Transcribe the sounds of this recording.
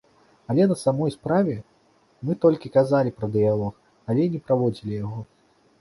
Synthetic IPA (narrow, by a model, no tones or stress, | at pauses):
ɐlʲɛnɐsamɔjspɾavʲɛ | mɨt̪ɔlʲkʲikazalʲipɾɐd̪ɨjalˠɔx | ɐlʲɛinʲɛpɾavɔd͡zʲilʲijaɣɔ